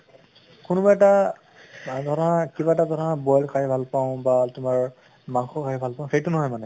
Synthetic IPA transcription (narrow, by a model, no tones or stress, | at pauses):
kunubaɛta | dʱɔɹɔnakibaɛtadʱɔnabɔjlkʰaɦbʱalpaʊ̃batʊmaɹ | maŋxɔkʰajibʱalpãʊ̃xejtʊnɔɦɔjmanɛ